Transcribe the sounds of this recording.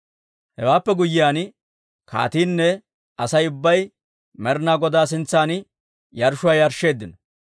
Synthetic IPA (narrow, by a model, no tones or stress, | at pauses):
hɛwaːpːɛɡʊjːɪjaːn | kʰa̰ːt̪iːnːɛ | ʔɐsɐjʊbːɐj | mɛɾnaːɡɔd̪aːs̬ɪnt͡sːaːn | jɐɾʃʊwaːjɐɾʃːe̞ːd̪ːɪnɔ